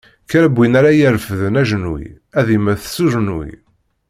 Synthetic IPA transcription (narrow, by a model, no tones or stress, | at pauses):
kæɾæbʷːinaɾajəɾfəðənæʒənwḭ | æðimæθsuʒənwḭ